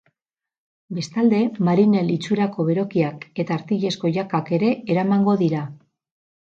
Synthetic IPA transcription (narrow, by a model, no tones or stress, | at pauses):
be̞st̪ald̪e̞maɾine̞lit͡suɾako̞βe̞ɾo̞kiake̞t̪aːɾt̪iʎe̞sko̞ʝakake̞ɾe̞eɾamaŋɡo̞ðiɾa